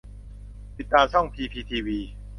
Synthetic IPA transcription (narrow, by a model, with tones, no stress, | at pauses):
t̪i˨˩t̪ːaː˧msʰɔ˥˩ŋpʰiː˧pʰiː˧t̪ʰiː˧wiː˧